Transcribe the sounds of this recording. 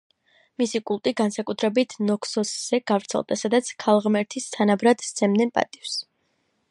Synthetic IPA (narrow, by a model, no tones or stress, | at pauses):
misikʼulˠt̪ʼiɡansakʼut̪ʰɾɛbit̪ʰnɔkʰsɔsz̥ɛɡ̥avɾt̪sʰɛ̰lˠd̪asad̪at̪sʰkʰalˠʁmɛɾt̪ʰist̪ʰanabɾad̪̥st̪sʰɛmd̪ɛnpʼa̰t̪ʼifs